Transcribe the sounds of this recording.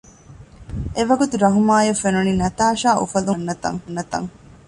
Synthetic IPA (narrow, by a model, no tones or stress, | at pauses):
ʔeʋɐɡut̪uɾɐɦumaːjɐfenuninɐt̪aːʃaːʔṵfɐlunːɐt̪ɐ̰ŋnːɐt̪ɐ̰ŋ